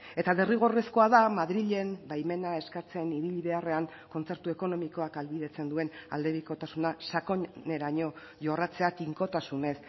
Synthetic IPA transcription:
e̞t̪aðeriɣ̞o̞re̞sko̞aðamaðɾiʎe̞mbajme̞nae̞skat͡se̞niβiʎβe̞are̞aŋ | ko̞nt͡se̞ɾt̪ue̞ko̞no̞miko̞akalβiðe̞t͡se̞nd̪ue̞na̰ld̪e̞βiko̞t̪asunasakoɲne̞ɾaɲo̞ | ʝo̞rat͡seat̪iŋko̞t̪asune̞s

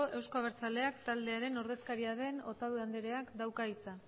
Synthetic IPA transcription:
oʔe̞wskoaβeɾt͡sale̞akt̪ald̪e̞aɾe̞no̞ɾðe̞skaɾiaðe̞no̞t̪aðuand̪eɾe̞akd̪awkait͡sa

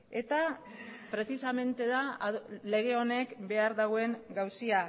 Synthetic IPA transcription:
e̞t̪a | pɾe̞t͡sisame̞nt̪e̞ðale̞ɣ̞e̞o̞ne̞kbe̞aɾðaɣoe̞ŋɡawsia

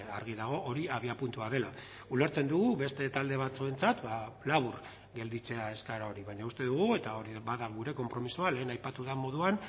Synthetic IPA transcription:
a̰ɾɣiðaɣ̞o̞ʔoɾiaβiapunt̪uaðe̞la | ule̞ɾt͡se̞nd̪uɣuβe̞st̪e̞t̪ald̪e̞β̞at͡sue̞nt͡sat̪balaβuɾ | ɡe̞ld̪it͡se̞ae̞skaɾao̞ɾiβaɲaust̪e̞ðuɣ̞ue̞t̪ao̞ɾiβaðaɣuɾe̞ko̞mpɾo̞misuale̞ːnajpat̪uðamo̞ðuan

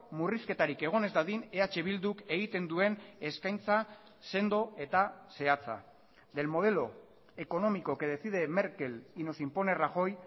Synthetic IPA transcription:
muriske̞t̪aɾike̞ɣ̞o̞ne̞zd̪aðine̞at͡ʃe̞β̞ild̪uke̞ɣit̪e̞nd̪ue̞ne̞skajnt͡sa | se̞nd̪o̞e̞t̪ase̞at͡sa̰ | d̪e̞lmo̞ðe̞lo̞ | e̞ko̞no̞mikoke̞ðe̞siðe̞me̞ɾke̞lino̞simpo̞ne̞raxo̞j

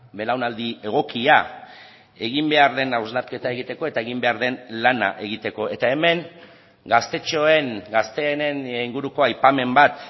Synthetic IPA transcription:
be̞lawnald̪ie̞ɣ̞o̞kia | e̞ɣ̞imbe̞aɾðe̞nawzlaɾke̞t̪ae̞ɣit̪e̞ko̞e̞t̪ae̞ɣimbe̞aɾðe̞nlana̰ʔe̞ɣ̞it̪e̞ko̞ʔe̞t̪ae̞me̞ŋ | ɡast̪e̞t͡ʃo̞e̞ŋɡast̪e̞ːneniŋɡuɾuko̞ajpame̞mbat̪

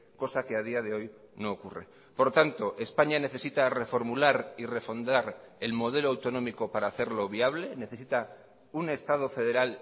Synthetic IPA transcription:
ko̞sake̞að̞iað̞e̞o̞j | no̞ːkure̞̰ | poɾt̪ant̪o̞ʔe̞spaɲane̞θe̞sit̪are̞fo̞ɾmulaɾire̞fo̞nd̪aɾe̞lmo̞ð̞elo̞awt̪o̞nõ̞miko̞paɾaːθe̞ɾlo̞βiaβ̞le̞ne̞θe̞sit̪a | une̞st̪að̞o̞fe̞ðe̞ɾal

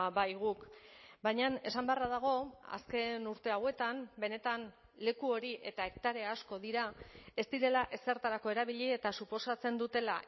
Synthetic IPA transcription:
bajɣ̞ukbajɲane̞sambearaðaɣ̞o̞a̰ske̞nuɾt̪e̞awe̞t̪ambe̞ne̞t̪an | le̞kuo̞ɾiʔe̞t̪ae̞k̚t̪aɾe̞asko̞ðiɾae̞st̪iɾe̞laʔe̞se̞ɾt̪aɾako̞e̞ɾaβiʎiet̪asupo̞sat͡se̞nd̪ut̪e̞la̰

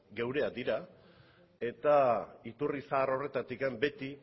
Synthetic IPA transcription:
ɡe̞wɾe̞ad̪iɾa | e̞t̪ait̪urisaːro̞re̞t̪at̪ikambe̞t̪i

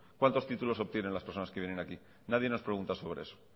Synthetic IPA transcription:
kwant̪o̞st̪it̪ulo̞so̞βt̪je̞ne̞nlaspeɾsonaskeβjene̞naki | nað̞je̞no̞spɾeɣunt̪aso̞β̞ɾeeso̥

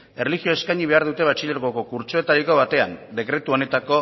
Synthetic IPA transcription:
e̞rlixio̞e̞skajɲiβ̞e̞aɾðut̪e̞β̞at͡ʃiʎe̞ɾokoko̞kuɾt͡ʃoe̞t̪aɾiko̞β̞at̪e̞a̰nd̪e̞kɾe̞t̪uo̞ne̞t̪ako̞

